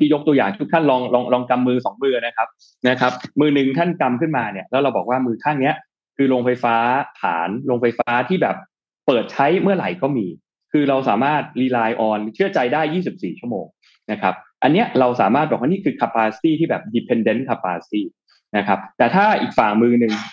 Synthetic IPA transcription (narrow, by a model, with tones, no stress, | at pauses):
mʰiː˧˩jo˦˥k̚t̪u˧jaː˨˩ŋt̪ʰu˥kt̪ʰa˥˩nlɔː˧ŋlɔː˧ŋlɔː˧ŋka˧mːɯː˧sɔ˩˦ŋmɯː˧na˦˥kʰa˦˥p̚ | na˦˥kʰa˦˥p̚mɯː˧nɯ˨˩ŋt̪ʰa˥˩nka˧mkʰɯ˥˩nmaː˧ni˥˩ɐlɛː˦˥wɾa˧wbɔː˨˩k̚waː˥˩mɯː˧k̪ʰaː˥˩ŋni˦˥ɐʔ | kʰɯː˧loː˧ŋfa˧jfaː˦˥t̪ʰa̰ː˩˦nlo˧ŋfa˧jfaː˦˥t̪ʰiː˥˩bɛː˨˩p̚ː | ɤː˨˩t̪̚t͡ɕʰa˦˥jmɯ˥˩ɐla̰˨˩˦jkɔː˥˩miː˧ | kʰɯː˧ɾa˧wsaː˩˦maː˥˩t̪̚liː˧laː˧jʔɔː˧nt͡ɕʰɯ˥˩ɐt͡ɕa˧jdaː˥˩jːiː˥˩si˨˩p̚siː˨˩t͡ɕʰu˥˩əmo̰ː˧ŋ | na˦˥kʰa˦˥p̚ʔa˧nːi˦˥ɐɾa˧wsaː˩˦maː˥˩t̪̚bɔː˨˩waː˥ni˥˩kʰɯː˧kʰa˧˥pːaː˧siː˥˩t̪ʰiː˥˩bɛː˨˩p̚diː˧˩pʰe˧nde˦˥nkʰa˧pːaː˧siː˥˩ | na˦˥kʰa˦˥p̚t̪ɛː˨˩t̪ʰaː˥˩ʔiː˨˩k̚faː˨˩ŋmɯː˧nɯ˨˩ŋ